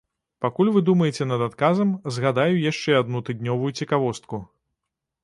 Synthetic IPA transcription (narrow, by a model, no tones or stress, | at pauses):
pakulʲvɨd̪umɐjɛt͡sʲɛnɐd̪at̪kazɐmzɣad̪ajujaʂt͡ʂɛad̪nut̪ɨd̪ʲnʲɔvujut͡sʲɛkavɔst̪̚ku